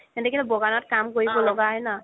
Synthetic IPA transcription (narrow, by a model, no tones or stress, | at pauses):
ɛntɛkilɛbɔɡanɔt̚kamkoɹibɔlɔɡaɦɔjna